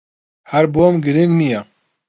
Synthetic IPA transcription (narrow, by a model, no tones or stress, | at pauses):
hæɾbomɡɨɾiŋɡnijɛ